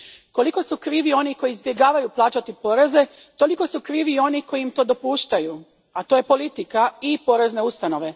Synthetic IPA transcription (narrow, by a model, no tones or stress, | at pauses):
ko̞liko̞sukɾiːʋio̞niko̞jizbje̞ɡaːʋajuplˠaːt͡ʃat̪ipo̞ːɾe̞ze̞ | t̪o̞liko̞sukɾiːʋio̞niko̞jiimt̪o̞d̪o̞puːʃt̪aju | at̪oje̞po̞lit̪ikaipo̞ɾe̞zne̞ust̪ano̞ʋe̞